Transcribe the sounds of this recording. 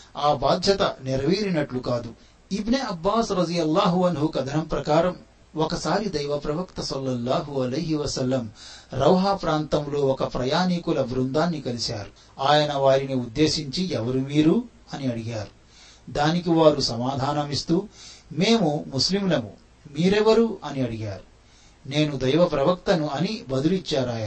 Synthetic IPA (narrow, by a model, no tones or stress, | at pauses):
aːbaːd̪ʱjɐt̪ɐ̰niɾɐʋiːɾinɐʈlukaːd̪u | ibneɐbːaːsɾɐd̪ijɐlːaːɦuɐnɦukɐd̪ʱɐnɐmpɾɐkaːɾɐm | ɔkɐsaːɾid̪ɐjʋɐpɾɐʋɐkt̪ɐsɐlːɐlːaːɦuɐlɐjɦiʋɐsɐlːɐmɾɐwɦaːpɾaːnt̪ɐmlo̞ːɔkɐpɾɐjaːnikulɐbɾund̪aːnːikɐlisa̰ːɾu | aːjɐnɐʋaːɾiniud̪ːe̞ːʃiɲt͡ʃiɛʋɐɾumiːɾu | ɐniɐɽiɡaːɾu | d̪aːnik̬iʋaːɾusɐmaːd̪ʱaːnɐmist̪uːme̞ːmumuslimlɐmṵ | miːɾɛʋɐɾuʔɐniɐɽiɡaːɾu | ne̞ːnud̪ɐjʋɐpɾɐʋɐk̚t̪ɐnuɐnibɐd̪ulit͡ʃːaːɾaːjaː